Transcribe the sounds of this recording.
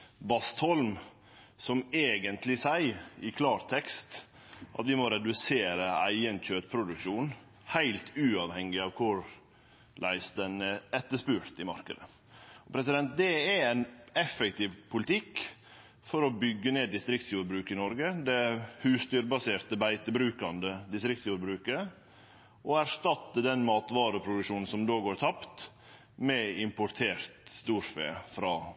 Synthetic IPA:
bɑst̪hɔlm | sɔmeːɡənt̪ʰlɪsæɪɪkʰlɑːɾt̪ʰɛkst̪ | ʔɑ̰t̪ʋɪmɔɾɛd̪ʉseːɾəæɪənc͡çøːt̪pʰɾʊd̪ʉkʂuːn | hæɪlt̪ʰʉːɑʋhɛŋːɪɑʋkʰʊɾ | lʔæɪsd̪ɛnɛɛt̪ːəʂpʉɾt̪ɪmɑ̰ɾkə̰d̪ə | ɔpʰɾɛsɪd̪ɛnt̪̚d̪ɛææɪnɛfːəkt̪ɪːʋpʰʊlɪt̪ʰɪk | fɔɾɔbʏɡːəneːd̪ɪst̪ɾɪk̚t̪sjuːɾbɾʉːkəɪnɔɾɡəd̪ɛhʉːst̪yːɾbɑseːɾt̪əbæɪt̪əbɾʉːkɑnd̪əd̪ɪst̪ɾɪk̚t̪sjuːɾbɾʉːkə | ʔɔæɾʂt̪ɑt̪ːəd̪ɛnmɑːt̪ʋɑːɾəpʰɾʊd̪ʉʂuːnn̩sɔmd̪oːɡoːɾt̪ʰɑpt̪ | mɛɪmpʊɾt̪ʰeːɾt̪st̪uːɾfḛːfɾɑː

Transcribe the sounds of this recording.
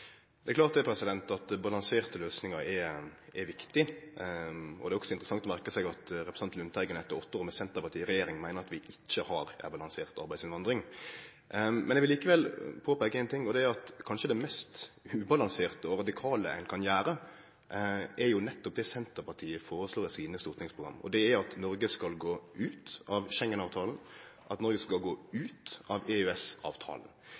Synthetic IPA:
d̪̥ɛɛklɑːɾt̪̚d̪ɛpʰɾɛsɪd̪ɛnt̪ɑt̪bɑlɑŋseːɾt̪əløːsnɪŋɑɾɛʔɛɾʋɪkt̪ɪ | ʔɔ̰d̪ɛæɾɔksɔɪnt̪ɾəsɑŋt̪ɔmæɾkəsɛɡɑt̪ɾɛpɾəsɑnt̪lʉnt̪ʰæɪɡənɛt̪ːəɾɔt̪ːoːɾmɛsɛnt̪əɾpɑɾt̪iːəɾɛjeːɾɪŋmæɪnəɾɑt̪ʋɪʔɪc͡çːəhɑːɾæ̰bɑlɑŋseːʁt̪ɑ̰ɾbæɪsɪnʋɑnd̪ɾɪŋ | mɛnɛɡʋɪliːkəʋɛlpʰoːpæːɡəɛɪnt̪ʰɪŋːɔd̪ɛæɑt̪kʰɑnʃəd̪ɛmɛst̪ʉːbɑlɑŋseːʁt̪əɔɾɑd̪ɪkʰɑːləɛ̰nkʰɑnjæːɾə | ʔæɾjʊnɛt̪ːɔp̚d̪ɛsɛnt̪əɾpɑʁʈ̪ʰiːəfoːɾəsloːsiːnəst̪ʊʁt̪nɪŋspʰʁʊɡɾɑ̰mːɔ̰d̪ɛæjɑt̪nɔɾɡəskɑlɡoːʉːt̪ɑʋʃɛŋːənɑːʋt̪ʰɑːln̩ʔɑt̪nɔɾɡəskɑlɡoːʉːt̪ɑʋɛøɛsɑ̰ːʋt̪ʰɑ̰ːln̩

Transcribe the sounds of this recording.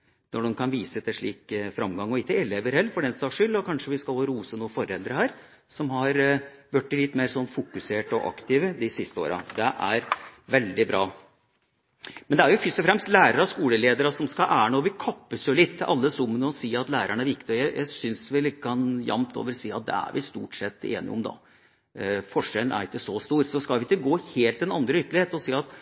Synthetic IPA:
nɔɖʊnkʰɑnʋiːsət̪ʰɪlʂɭiːkfɾɑmɡɑŋːɔɪkːəɪleːʋəɾhɛːlːfɔɖɛnsɑʂʏlːɔkʰɑnʂəʋɪskɑlhoːɾuːsənuːəfɔɾɛld̪ɾəhæːɾ | sɔmɦɑɾ | ʋœʈːɪlɪt̪ːmeːɾsɔnːfʊkʉseːʈɔ̰ʔɑ̰kt̪ɪʋəd̪ɪsɪst̪əo̰ːɾɑ̰d̪ɛʔæɾʋɛld̪ɪbɾɑː | mɛnd̪ɛæɾjʊfʏst̪ɔfɾɛmst̪læːɾəɾɑskuːləleːd̪əɾɑsɔmskɑʔæːɳoːʋɪkʰɑpːəsjʊlɪt̪ʰːɪʔɑlːəsʊmːənəɔsiːɑt̪læːɾəɳəæɾʋɪkt̪ɪɔjæɪjʔæɪsʏnsʋɪkʰɑnjɑ̰mt̪ʰo̰ːʋəɾsiːɑt̪̚d̪ɛ̰æ̰ɾʋɪst̪uːʈsɛt̪ːḛːnɪ̰ɔ̰md̪ɑ̰ | fɔʂɛln̩ʔæ̰ɾɪkːəsɔst̪uːɾsɔskɑlʋɪɪk̪ːəɡoːheːlt̪ɛnɑnd̪ɾəʏt̪əlɪeːt̪ɔsiːɑt̪

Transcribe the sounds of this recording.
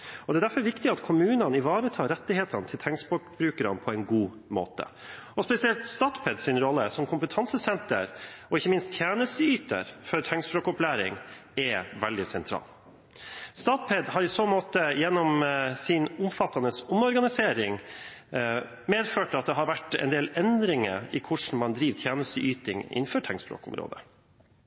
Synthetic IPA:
ɔd̪ɛːd̪æɾfɔɾʋɪkt̪ɪɑt̪kʰʊmʉːnənɪʋɑːɾət̪ʰɑːɾɛt̪ːɪheːt̪ɑnt̪ʰɪlt̪ʰɛŋsboːkbɾʉːkəɾɑ̰npʰɔɛɪnɡuː | mo̰ːt̪ə̰ | ɔspɛsɪɛlt̪st̪ɑːt̪pʰɛd̪sɪnɾɔlːəsɔmkʰʊmpət̪ʰɑnsəsɛnt̪ə̰ɾɔɪçːəmɪnst̪ʰjæːnəst̪əyːt̪ə̰ɾfɔɾt̪ʰɛŋsbɾoːkɔplæːɾɪ̰ŋ | ɛʋɛld̪ɪsɛnt̪ʰɾɑ̰ːl | st̪ɑːt̪pʰɛd̪hɑɾiːsoːmoːt̪əjɛnːɔmsɪnʊmfɑt̪ːɑnəsʊmɔɾɡɑnɪseːɾɪŋ | meːd̪føːʈɑt̪d̪ɛɦɑɾʋæʈːɛ̰ɪnd̪eːlɛnd̪ɾɪŋə̰ɾɪkʰʊʂɳ̩mɑnd̪ɾiːʋt̪ʰjæːnəst̪əʔyːt̪ɪŋɪ̰nføːʈʰɛŋspɾo̰ːkʊ̰mɾo̰ːd̪ə

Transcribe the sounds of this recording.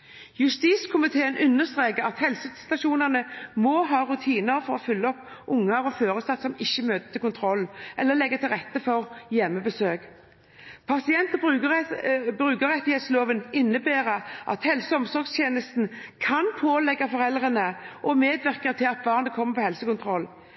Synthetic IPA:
jʉst̪iːskʰʊmɪt̪ʰeːənʔʉnːəst̪ʁeːkəʁɑt̪hɛlsəst̪ɑʃuːnəʁnəmoːɦɑːɾʉt̪ʰiːnəʁfɔʁɔfʏlːəɔpːʔʊŋːɑɾɔføːʁəsɑt̪sɔmɪçːəmøːt̪ə̥t̪ʰɪlkʊnt̪ʰʁɔlːʔɛlːəlɛɡːət̪ʰɪlʁɛt̪ːəfɔʁjɛmːəbəsøːk | pʰɑsɪɛnt̪ɔb | bʁʉːkəʁɛt̪ːɪheːt̪sloːʋənɪnːəbeːʁəʔɑ̰t̪hɛlsəɔmsɔʁɡst̪ʰjeːnəst̪n̩kʰɑnpʰoːlɛɡɑfɔʁɛlʁənəʔɔmeːd̪ʋæʁkət̪ʰɪlɑt̪̚bɑːʁnəkʰɔmːəpɔhɛlsəkʊnt̪ʰʁɔlː

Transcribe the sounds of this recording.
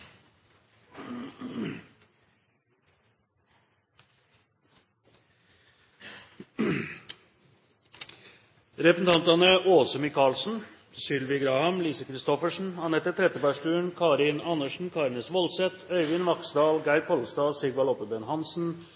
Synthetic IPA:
ɾɛpəsn̩t̪ʰɑnt̪ɑnəʔoːsəmɪkʰɑːlsn̩ | sʏlʋɪɡɾɑːhəmliːsəkʰɾɪst̪ɔfəʂn̩hɑnhɛt̪ːət̪ʰɾɛt̪əbæʂʈʉːəɳkʰɑːɾɪnɑnəʂɳ̩kʰɑːɾnəsʋɔlsɛt̪ʰœʏʋɪnʋɑksd̪ɑːlɡæɪɾpʰɔlsd̪ɑːsɪɡʋɑlɔpəbɛnhɑnsn̩

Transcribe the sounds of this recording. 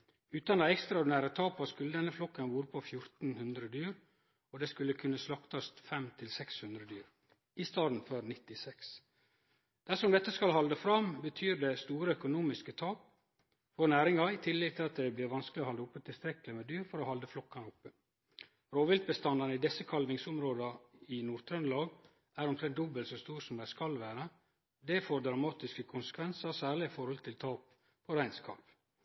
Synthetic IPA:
ʉːt̪ɑnɑɛkst̪ɾɑʊɖɪnæːɾət̪ʰɑːpɑskʉlːəd̪ɛnːəflɔkːɑnʋuːɾəpʰɔfjʊɾt̪n̩hʉnd̪ɾəd̪yːɾ | ɔd̪ɛskʉlːəkʰʉnːəslɑkt̪ɑst̪fɛmt̪ʰɪlsɛkshʉnd̪ɾəd̪yːɾ | ɪst̪ɑːd̪n̩føɾnɪt̪ːɪsɛks | d̪̥æʂɔmd̪ɛt̪ːəskɑlhɑld̪əfɾɑmbət̪ʰyːɾdɛst̪uːɾəœkʊnuːmɪskət̪ʰɑːk | fonæːɾɪŋɑɪt̪ʰɪlːɪɡ̚t̪ʰɪlɑt̪̚d̪ɛblɪːɾʋɑnsklɪoːhɑld̪əʊpːət̪ʰɪlst̪ɾɛkːlɪmɛd̪yːɾfɔɾoːhɑld̪əflɔkːɑnəʊpːə | ɾoːʋɪlt̪̚bəst̪ɑnːɑnəid̪ɛsːəkʰɑlʋɪŋsʊmɾoːd̪ɑɪnuːɾt̪ʰɾœnlɑːɡ | ʔæːɾʊmt̪ʰɾɛnt̪d̪ʊbəlsɔst̪uːɾsɔmd̪æɪskɑlʋæːɾə | d̪ɛfoːɾd̪ɾɑmɑːt̪ɪskəkʰʊnsə̥kʰʋɛnsɑɾsæːɭɪɪfɔɾhɔlt̪ʰɪlt̪ʰɑːp | pʰɔɾæɪnskʰɑ̰lʋ

